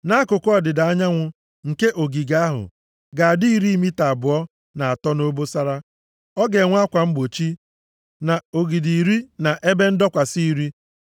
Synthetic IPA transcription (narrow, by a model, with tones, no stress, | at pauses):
na˦a˦kʊ˨kɔ˨dɪ˨da˨a˦ɲa˦ŋʷʊ˨ | ŋ̩˨ke˦ʔo˨ɡi˨ɡa˦a˦ɦʊ̰˨ | ɡa˨a˨di˦i˦ɾi˦i˦mi˦ta˨a˨bʊ˨ɔ˦ | na˨a˨tɔ˦no˦bo˦sa˦ɾa˦ | ɔ˦ɡe˨ŋʷ˦a˦kʷa˨m̩˦ɡ͡bo˨t͡ʃi˦ | na˨o˨ɡi˨di˨i˨ɾi˦na˨ʔe˦be˦n̩˦dɔ˦kʷa˨si˦i˦ɾi˦